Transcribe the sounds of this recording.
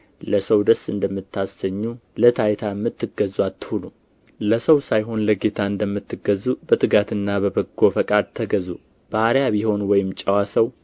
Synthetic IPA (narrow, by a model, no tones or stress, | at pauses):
ləsəwd̪əsɨnd̪əmːɨt̪ːasəɲːulət̪ʰajt̪ʰajɛmːɨt̪ːɨɡəzuat̪ːhonu | ləsəwsajɦo̞nləɡe̞t̪ʰaɨnd̪əmːɨt̪ːɨɡəzːubət̪ʰɨɡat̪ɨnːaβəbəɡo̞fəkʼad̪̚t̪ʰəɡəzṵ | b̥aaɾjaβiho̞nwɔjɪmt͡ʃʼɛwasəw